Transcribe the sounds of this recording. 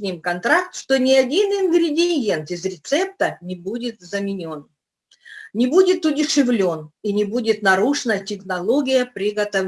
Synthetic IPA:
nʲimkɐnt̪ɾakt̪ʂt̪onʲɪɐdʲinɪnɡɾʲɪdʲɪje̞nt̪ɪzɾʲɪt̪sɛp̚t̪ənʲɪbudʲɪt̪zəmʲɪnʲo̞n | nʲɪbudʲɪt̪ʊdʲɪʂɨvlʲo̞ninʲɪbudʲɪt̪nɐɾuʂɨnətʲɪxnɐlˠo̞ɡʲɪjəpɾʲɪɡət̪ɐ

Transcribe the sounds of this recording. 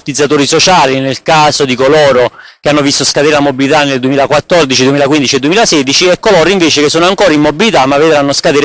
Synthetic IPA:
t̪id̪zat̪oːɾisot͡ʃaːlinelkaːzod̪ikolɔːɾok̟eanːovist̪oskad̪eːɾelamːobilit̪anːeld̪wemilakwat̪ːɔrd̪it͡ʃid̪wemiːlakwind̪it͡ʃied̪uemiːlasɛːd̪it͡ʃiɛkːolɔːɾoiɱveːt͡ʃekesːoːnoaŋkɔːɾaimːobilit̪amːavːed̪ɾanːoskad̪eːɾ

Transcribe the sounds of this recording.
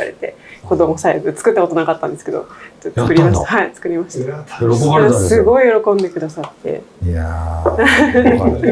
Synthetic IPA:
a̰ɾe̞̰t̪e̞ko̞d̪o̞mosaebɯt͡sɨ̥kɯ̟t̪ːako̞t̪onakat̪ːã̰nd̪eɨ̥ke̞d̪o̞̰tːot͡sɨkɯ̟ɾʲiimaɕtt̪ahait͡sɨ̥kɯ̟ɾʲimaɕta | ssɨɡo̞ijo̞ɾo̞kõ̞nd̪ekɯ̟d̪asat̪ːe̞̰

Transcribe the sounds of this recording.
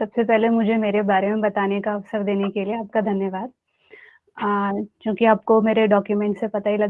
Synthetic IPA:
sɐbsepɛɦlemʊd͡ʒʱemeːɾebaːɾemẽbɐt̪aːnekaɐʋsəɾd̪eːnekelieaːp̚kad̪ʱɐnjəʋaːd̪̚ | kjõːkiaːp̚komeːɾeɖɔːkjumɛ̃ːɳʈsepɐt̪aɦilɐ

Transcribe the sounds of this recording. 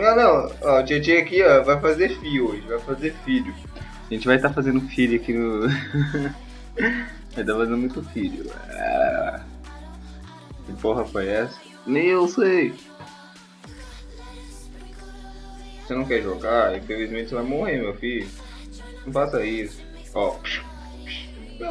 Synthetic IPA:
anɐ̃w̃ɔd͡ʒiɐd͡ʒiakiɔvajfazeɾfiʊoʒẽɪt͡ʃɪvajfazeɾfiʎʊ | aʒẽnt͡ʃɪvajt̪aɾfazẽnd̪ʊfiʎʊakinʊ | vajt̪afazẽnd̪mũj̃t̪ʊfiʎʊ̰ɛ̰ | poɦɐfojɛsɐ | nẽewsej | vosenɐ̃w̃kɛɾʒoɡaẽfevizmẽt͡ʃɪsvajmohemewfilʊʊ | nɐ̃fasɐisʊ̥ | ɔpʃ | ʃ

